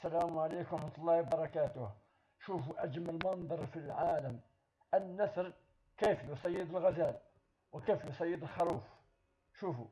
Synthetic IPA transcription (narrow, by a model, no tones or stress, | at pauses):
sælæmʕalikɾɑħmt̪ˤɑlˤːɑhbɑɾˤɑkæt̪ʊh | ʃufuʔæd͡ʒməlmɑnd̪ˤɑɾˤfilʕaləm | ʔənːæsɾ | kæfjusˤɑjːəd̪əlɣæzæl | wəkæfjusˤɑjːəd̪əlxɑɾuf | ʃufu